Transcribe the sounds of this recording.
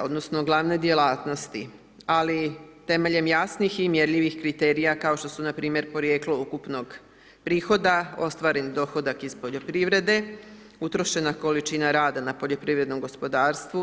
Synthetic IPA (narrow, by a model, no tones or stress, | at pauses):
o̞d̪no̞sno̞ɡlˠaʋne̞d̪je̞laːt̪no̞st̪i | alit̪e̞me̞ʎe̞mjasniximje̞ɾʎiʋixkɾit̪e̞ːɾijakao̞ʃt̪o̞sunapɾiːmje̞ɾpo̞ɾjeːkloukupno̞ɡ | pɾiːxo̞d̪ao̞st̪ʋaːɾenid̪o̞xo̞d̪akiz̥po̞ʎo̞pɾiʋɾe̞d̪e̞ | ut̪ɾo̞ʃe̞nako̞lit͡ʃinaɾaːd̪anapo̞ʎo̞pɾiːʋɾe̞d̪no̞mɡo̞spo̞d̪aːɾst̪ʋu